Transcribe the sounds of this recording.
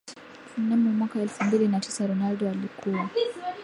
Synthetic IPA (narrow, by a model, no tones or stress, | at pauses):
namumwakaɛlfumbilinatʰi̥saɾɔnaldɔalikʰuwa